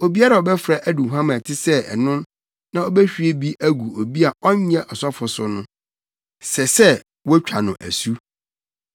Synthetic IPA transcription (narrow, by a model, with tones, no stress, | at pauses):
o˨bi˦a˦ɾa˨ɔ˨bɛ˦fɾa˦˨ʔæ˦du˨ɦã˦mã˨tʰɪ˦sɛ˦ɛ̰˨nʊ̃˦n | nã˦ɔ˦bɛ˦ɕᶣi˨e˦bi˦ʔæ˦ɡu˨o˨bi˦a˨ɔ˦ɲ˦ɲɛ̃˦ʔɔ˨sɔ˦fʊ˨sʊ˨nʊ̃˦ | sɛ˨sɛ˦ | wɔ˦t͡ɕᶣʰa˨nʊ̃˨ʔæ̰˨su˦